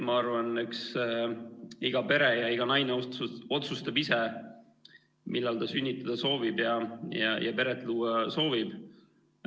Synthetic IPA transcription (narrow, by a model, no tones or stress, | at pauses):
mɑɑrvɑneks | iɡ̥ɑpe̞ɾejɑiɡ̥ɑnɑjneoo̞t̪sust̪ɑbise | mʔilːɑlt̪ɑsynʲːit̪ːˑɑd̪̥ɑso̞ːvibjɑjɑjʔɑpe̞ɾet̪ːˑluːɑso̞ːvib̥